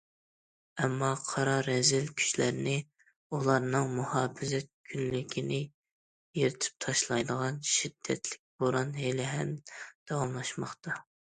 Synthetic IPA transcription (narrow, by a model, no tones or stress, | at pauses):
ɛmːɑqʰɑɾɑɾɛzɪlkʲʰy̥ʃlæɾnɪ | ulˠɑɾnɨŋmuhɑːfɪzɛt̪̚kʲʰynlɪkʲʰinɪ | jeɾɪt̪ʰɪ̥p̚t̪ʰɑʃlˠɑjd̪əʁɑnʃid̪̥ːɛ̰t̪ʰlɪk̚ʲb̥oɾˠɑnɦelɪɦɛnd̪̥ɑwɑmlˠɑʃmɑχt̪ɑ